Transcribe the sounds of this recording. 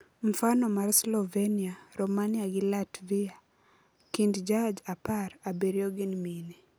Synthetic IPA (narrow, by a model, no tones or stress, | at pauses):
m̩fanɔmaɾslɔveniaɾɔmaniaɡɪlatvia | kindd͡ʒad͡ʒapaɾabeɾjoɡɪnmini